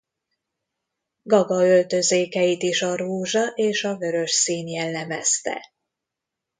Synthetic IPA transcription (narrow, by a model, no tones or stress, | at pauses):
ɡɒɡɒø̞lt̪ø̞zeːkɛjit̪iʃɒɾuːʒɒʔeːʃɒvø̞ɾø̞ʃsiːnjɛlːɛmɛst̪ɛ̰